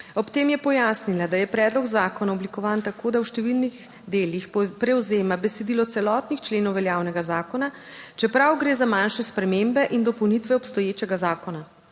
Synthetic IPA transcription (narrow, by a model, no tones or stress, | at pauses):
ɔpt̪eːmjɛpɔjasnilad̪ajɛpɾɛːd̪lɔkzaːkɔnaɔblikɔʋaːnt̪akoːd̪awʃt̪ɛʋilniɣ | d̪eːlixpɾɛwzeːmabɛsɛd̪ilɔt̪sɛlɔt̪nixt͡ʃleːnɔwʋɛljaːwnɛɡazaːkɔna | t͡ʃɛpɾawɡɾeːzamanʃɛspɾɛmembɛʔind̪ɔpɔwnit̪ʋɛɔpst̪ɔjeːt͡ʃɛɡazaːkɔna